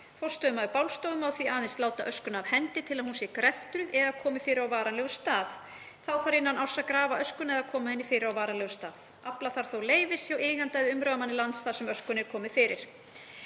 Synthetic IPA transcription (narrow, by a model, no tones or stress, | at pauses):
fɔwst̪œmaðʏpawlst̪owðʏmawθviaːðɪnst̪laːwt̪aʔœskʏnavhɛnt̪ɪt̪ʰɪlaðhunsjɛkɾɛft̪ɾʏʔɛðakʰɔːmɪfɪːɾɪɾawvaːɾanlɛɣʏst̪aːð | θawθaɾɪnːanaw̥sakɾaːvaʔœskʏnɛðakʰɔːmahɛnːɪfɪːɾɪɾawvaːɾanlɛɣʏst̪aːð | aplaθaɾ̥θowleːjvɪsçawɪːɣant̪ajðʏʏmɾœðamanːɪlant̪st̪aːsɛmœskʏnɛɾ̥kʰɔːmɪfɪːɾɪɾ̥